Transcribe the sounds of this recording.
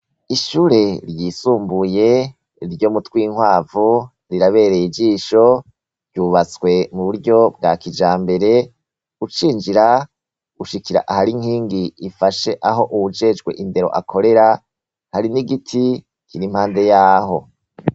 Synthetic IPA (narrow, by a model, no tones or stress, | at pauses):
iʃuːɾe̞ɾjisuːmbuje̞ | ɾɟoːmutwiːŋwaːvu | ɾiɾaβe̞ːɾejid͡ʒiːʃo̞ | ɾɟuːβat͡swe̞muβuɾɟo̞b̚ɡakid͡ʒaːmbe̞ɾe̞ | ɡut͡ʃiːnd͡ʒiɾa | ɡ̥uʃikiɾa̰ʔahaɾiŋhiːŋɡiifaʃe̞ʔaɦo̞ʔuwud͡ʒe̞d͡ʒɡwe̞̰ʔinde̞ɾo̞̰ʔa̰kʰo̞ɾe̞ɾa | haɾiniɡitʰi | kiɾim̥haːnde̞jaːɦo̞̰